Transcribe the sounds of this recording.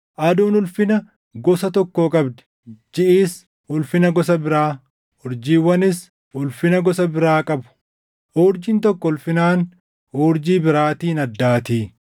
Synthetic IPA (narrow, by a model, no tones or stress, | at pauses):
ʔɐd̪uːnʊlfɪnɐ | ɡɔsɐt̪ɔkːoːkʼɐbd̪ɛ̥ | d͡ʒɪʔiːs | ʊlfɪnɐɡɔsɐbɪɾaː | ʊɾd͡ʒiːwɐnɪs | ʊlfɪnɐɡɔsɐbɪɾaːkʼɐbʊ̥ | ʔoːɾd͡ʒɪnt̪ɔkːɔʊlfɪnaːn | oːɾd͡ʒiːbɪɾaːt̪iːnɐd̪ːaːt̪iː